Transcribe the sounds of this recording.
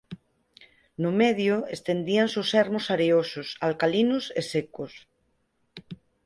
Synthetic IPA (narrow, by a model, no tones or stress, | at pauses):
nʊmeðjoest̪end̪iansosɛɾmosaɾeososalkalinʊsesekos